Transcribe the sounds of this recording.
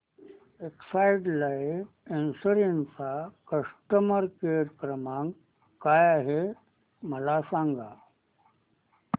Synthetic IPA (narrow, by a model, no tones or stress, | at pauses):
eksaiɖlaef | ensəɾint͡sakəsʈəməɾkeɾkɾəmãŋɡ | kajaɦe | məlasãŋɡa